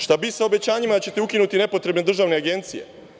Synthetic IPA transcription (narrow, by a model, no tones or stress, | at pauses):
ʃt̪abisaobe̞t͡ɕaːɲimat͡ɕe̞t̪eukinut̪ine̞po̞t̪ɾe̞bne̞d̪ɾr̩ʒaʋne̞aɡe̞nt̪sije̞̰